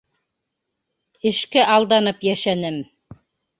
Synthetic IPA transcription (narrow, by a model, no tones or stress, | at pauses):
ɘ̆ʃkæʔɑlˠd̪ɑnɤpjæʃænɘm